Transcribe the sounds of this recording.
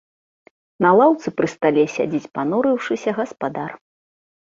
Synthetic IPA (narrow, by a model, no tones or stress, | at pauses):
nɐlˠawt̪sɨpɾɨst̪alʲɛsʲa̰d͡zʲit͡sʲpanɔɾɨwʂɨsʲɐɣɐspad̪ar